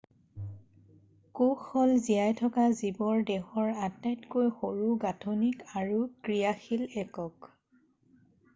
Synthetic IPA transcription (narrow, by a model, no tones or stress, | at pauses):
kuxɔlzijajtʰɔkazibɔɹdɛxɔɹatajtkojxoɹuɡatʰonikaɹukɹijaxilɛkɔk